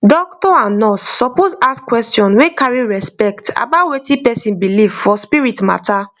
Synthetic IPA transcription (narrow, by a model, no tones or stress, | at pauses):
dɔktɔãnɔsːɔpozaskwɛstjɔ̃nwekaɹiɹɛspɛkta̰batwetĩpɛsĩnbilivfɔspiɹitma̰tʰa